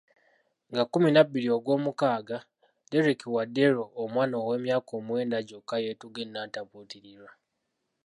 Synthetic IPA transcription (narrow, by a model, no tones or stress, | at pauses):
ŋɡakuminabilio̞ɡwo̞ːmukaːɡa | de̞ɾikiwade̞ɾoːmwaːnowe̞ːmjaːkoːmwe̞ːndaɟokːajetuɡenːaːtaputiɾiɾwa